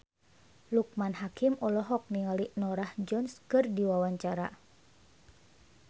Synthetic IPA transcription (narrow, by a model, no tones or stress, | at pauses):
luk̚manɦakimɔlɔɦɔk̚niŋalinɔɾahd͡ʒɔnskɨrdiwawaɲt͡ʃaɾa̰